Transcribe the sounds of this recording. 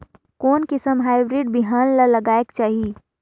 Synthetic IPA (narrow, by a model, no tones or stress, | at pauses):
koːnkisəmɦaːɪbɾiːɖ̚biɦaːnlalɐɡaːekt͡ʃaːɦieː